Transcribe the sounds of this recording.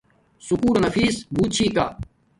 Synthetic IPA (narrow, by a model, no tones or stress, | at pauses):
sʊkuːɾnɐfiːsbuːt̪̚t͡ɕʰiːk̪a̰ː